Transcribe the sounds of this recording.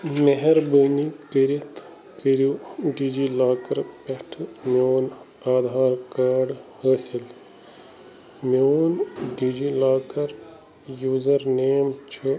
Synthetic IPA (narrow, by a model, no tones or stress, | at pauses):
meɦɐɾbənikəɾit̪ʰ | kəɾuɖiːd͡ʒiːlaːkɐɾpɐʈʰmʲjoːn | aːd̪ʱaːɾkaːɖhəːsil | mjoːnɖiːd͡ʒilaːkɐɾ | juːzɐɾneːmt͡ʃʰɨ